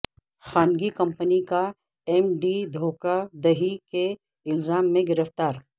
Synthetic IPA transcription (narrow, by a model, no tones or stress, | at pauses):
xaːnɡikɐ̃mpənika | ɛmɖid̪ʱoːkad̪ɐɦike | ɪlzaːmːẽɡɪɾəft̪aːɾ